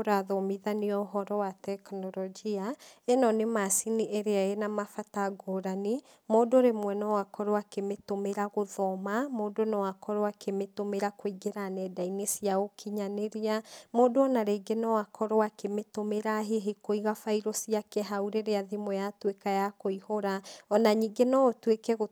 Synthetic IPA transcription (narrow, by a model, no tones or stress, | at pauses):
ɾaðɔmiðaniɔoɦɔɾɔwatɛknɔɾɔd͡ʒiaenɔnemasiniʔeɾeaenamafataɡoɾani | moːdoɾemwɛnɔwakɔɾoakemetomeɾaɣoðɔmamoːdonɔwakɔɾoakemetomeɾakoiɡeɾanɛdainesiaɣokʰiɲaneɾiamoːdoɔnaɾeɡenɔwakʰɔɾoakemetomeɾaɦeɦekoiɣafaiɾosiakɛɦauɾeɾeaðimojatwekajakoihoɾaɔnaɲiːɡenɔotwekɛɣo